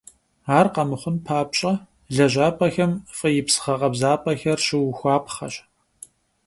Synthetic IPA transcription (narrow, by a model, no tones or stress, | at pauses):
aːrqɐmɨχʷʊnpʰaːp̚ɕʼɐ | ɮɐʑaːpʰʼɐxɐmfʼɨjɪpsɨ̥χɐqɐbzaːpʰʼɐxɐrɕɪwxʷɑːpʰχɐ̰ɕʼ